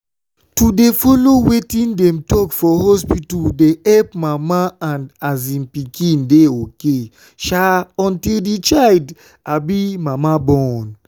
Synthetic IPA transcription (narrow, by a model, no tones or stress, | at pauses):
tudefɔlowetĩndɛ̃mtɔkfɔhɔspituldeɛlpmamaãnazĩnpikʰĩndeoke | ʃaɔ̃ntildit͡ʃald | abimamabɔ̃n